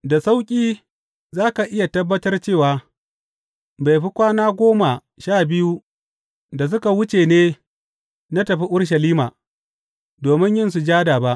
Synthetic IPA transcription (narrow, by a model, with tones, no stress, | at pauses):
da˨sa˦wkʲʼiː˦ | zaː˦ka˨ʔɪ˦ja˨tɐ˦bːɐ˦tɐ˦rt͡ʃeː˦˨waː˨ | ba˨jɸi˦kʷaː˦naː˦ɡʷoː˦ma˨ | ʃaː˦˨bɪ˦ju˦ | da˨s̬ʊ˦ka˨wʊ˦t͡ʃeː˨neː˦ | na˦tɐ˨ɸi˦ʔʊ˦ɽʃ̬ɐ˨liː˦ma̰ː˨ | doː˨mɪ˦ɲjɪ˦ns̬u˨d͡ʒaː˦daː˨ba˦ʔ